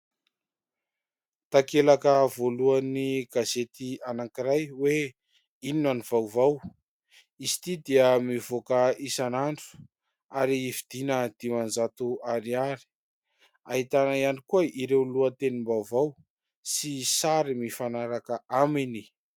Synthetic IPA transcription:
t̪akelakəvoluaniɡazet̪ianaŋkiɾajwe | ininaniv̥awvaw | isi̥t̪id̪iəmivokəisanaɳɖ͡ʐu̥ | aɾiivid̪inəd̪̥imanzat̪uaɾiaɾi̥ | aɦit̪anaianikuəiɾewluət̪enimbawvaw | sisaɾimifanaɾakəʔamini

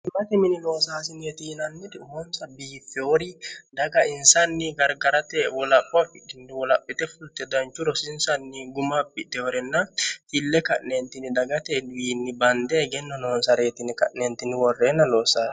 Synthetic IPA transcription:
ɪmɐt̪ɛmɪnɪlo̞ːsaːsɪnjɛt̪iːnɐnːɪd̪hɔnsɐbiːfːɛwɔɾɪd̪ɐɡɐɪnsɐnːɪɡɐɾɡɐɾɐt̪ɛwɔlɐpʼːɔɐfɪkːɪnd̪ɪwɔlɐpʼːɪt̪ɛfʊlt̪ːɛd̪ɐnt͡ʃːʊɾɔsɪnsɐnːɪɡʊmapːɪt̪ːɛwɔɾɛnːɐt̪ilːɛkɐ̰ʔnent̪ɪnɪd̪ɐɡɐt̪ɛwiːnːɪbɐnd̪ɛɡɛnːɔnoːnsɐɾe̞ːt̪ɪnɪkɐ̰ʔnent̪ːɪnɪwɔrːeːnːɐloːsaːs

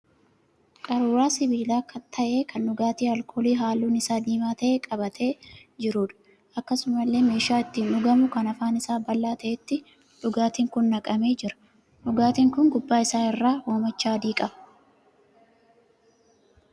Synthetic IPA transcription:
kʼɐɾuːɾaːsɪbiːlaːkɐt̪ʰɐʔeːkʰɐnːʊɡaːt̪iːɐlkʰo̞ːliːɦaːlːuːnɪsaːd̪iːmaːt̪ɐʔeːkʼɐbɐt̪ʰe̞ːd͡ʒɪɾuːᶑɐ̥ | ɐkːɐsʊmɐlːe̞ːme̞ːʃaːɪt̪ːɪnʊɡɐmʊkɐnɐfaːnɪsaːbɐlːaːt̪ʰɐʔet̪ːɪ | ᶑʊɡaːt̪iːŋkʊnːɐkʼɐme̞ːd͡ʒɪɾɐ̥ | ᶑʊɡaːt̪iːŋkʊŋɡʊbːaːɪsaːɪrːaːhoːmɐt͡ʃːaːɐd̪iːkʼɐbɐ

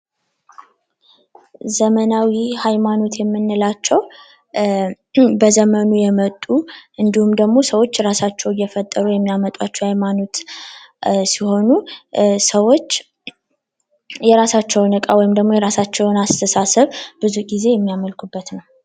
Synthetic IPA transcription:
zəmənawihajmano̞t̪jɛmːɨnːɨlat͡ʃːɛw | bəzəmənujɛmət̪ʼːuʔɨnd̪ihumd̪əɡmo̞səwo̞t͡ʃːɾasat͡ʃːɛwjːɛfət̪ʼːəɾujɛmːijamət̪ʼwat͡ʃːɛwhajmano̞t̪ | siho̞nusəwo̞t͡ʃː | jɛɾasat͡ʃːɛwnɨkʼawɔjɪmd̪əɡmo̞jɛɾasat͡ʃːɛwnast̪ʰəsasɨβbɨzuɡize̞jɛmːijaməlkʰubːət̪nəw

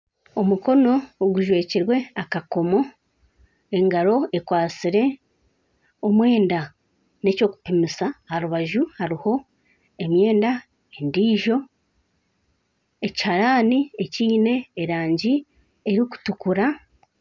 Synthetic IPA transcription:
o̞muko̞no̞ːɡuʒwe̞ːciɾwe̞akako̞mo̞ | e̞ŋɡaɾo̞e̞kwaːt͡siɾe̞ | omwe̞ːnda | ne̞co̞ːku̥pimisahaɾuβaʒuhaɾiho̞ | e̞mje̞ːnda | e̞ndiːʒo̞ | e̞ci̥haɾaːnieciːne̞ːɾaːɲɟi | eɾiku̥tukuɾa

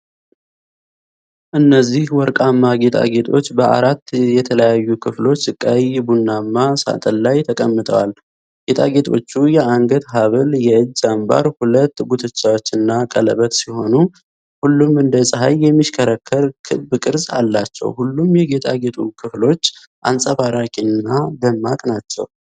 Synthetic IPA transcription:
ʔɨnːəzːihwɔɾkʼamːaɡe̞t̪ʰʼa̰ɡe̞t̪ʼʰo̞̰t͡ʃːbəa̰ɾat̪ːjɛt̪ʰələjajːukʰɨflo̞t͡ʃːɨkʼːajbunːamːasa̰t̪ʼənlajt̪ʰəkʼəmːɨt̪ʰʼə̰wal | ɡ̥e̞t̪ʰʼa̰ɡe̞t̪ʰo̞̰t͡ʃːujɛaŋɡət̪ɦaβəljɛɨd͡ʒːamba̰ɾhulət̪ːbut̪ʰɨt͡ʃːawot͡ʃːɨnːakʼələ̰βət̪siho̞nu | hulːumɨnd̪əsʼɨɦajːɛmːiʃkʰəɾəkʰːəɾkʰɨbɨkʼɨɾsa̰lːat͡ʃːɛ̰whulːumjɛɡe̞t̪ʰʼaɡe̞t̪ʰʼukʰɨflo̞t͡ʃː | ʔa̰nsʼəbaɾakʼinːad̪əmːakʼnat͡ʃːɛ̰w

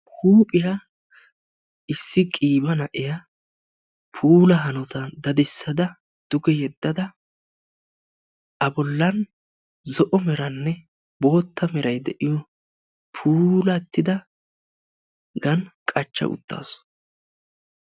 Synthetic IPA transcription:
huːpʼɪja | ɪsːɪkʼiːbɐnɐʔɪjɐ | pʰuːlɐɦɐnɔt̪ɐd̪ɐd̪ɪsːɐd̪ɐ | d̪̥ʊɡɛjɛd̪ːɐd̪ɐ | ʔɐbɔlːɐn | zɔʔɔmɛɾɐnːɛ | bo̞ːt̪ːɐmɛɾɐjd̪ɛʔɪjɔ | pʰuːlɐt̪ːɪd̪ɐ | ɡɐnkʼɐt͡ʃːɐ̰ʔʊ̰t̪ːa̰ːsʊ̥

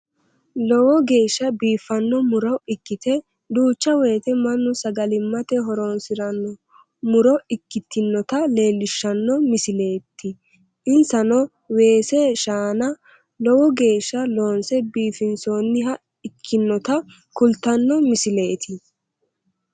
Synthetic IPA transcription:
lɔwɔɡe̞ːʃːɐbiːfːɐnːɔmʊɾɔɪkːɪt̪ɛ | d̪uːt͡ʃːɐwɛjːt̪ɛmɐnːʊsɐɡɐlɪmːɐt̪ɛɦɔɾoːnsɪɾɐnːɔ | mʊɾɔɪkːɪt̪ːɪnːɔt̪ɐle̞ːlːɪʃːɐnːɔmɪsɪle̞ːt̪ːɪ | ʔɪnsɐnɔ | we̞ːseʃaːnɐ | lɔwɔɡe̞ːʃːɐlo̞ːnsɛbiːfɪnso̞ːnːɪɦɐ | ɪkʰːɪnːɔt̪ɐ | kʊlt̪ːɐnːɔmɪsɪle̞ːt̪ɪ

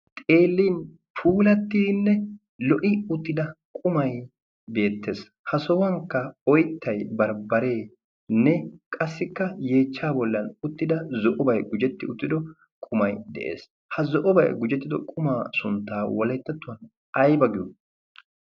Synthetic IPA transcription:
t̪ʼe̞ːlːiːn | pʰuːlɐt̪ːinːɛ | lɔʔɪʊt̪ːɪd̪ɐkʼʊmɐj | be̞ːt̪ʰːe̞ːs | hɐsɔwɐŋkːɐɔjt̪ːɐjbɐɾbɐɾe̞ː | nɛkʼɐsːɪkːɐje̞ːt͡ʃːaːbɔlːɐnʊt̪ːɪd̪ɐzɔʔɔbɐjɡʊd͡ʒɛt̪ːɪʊt̪ːɪd̪ɔ | kʼʊmɐjd̪ɛ̰ʔḛːs | hɐzɔʔɔbɐ̰jɡʊd͡ʒɛt̪ːɪd̪ɔkʼʊmaːsʊnt̪ːaːwɔlɛt̪ːɛt̪ːʊwɐn | ɐjbɐɡɪju

